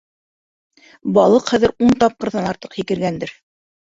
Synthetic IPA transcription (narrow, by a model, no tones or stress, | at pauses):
bɑlˠɤqχæðɘ̆ɾunt̪ɑp̚qɤ̆ɾðɑnɑɾt̪ɤqhikɘ̆ɾɡænd̪ɘɾ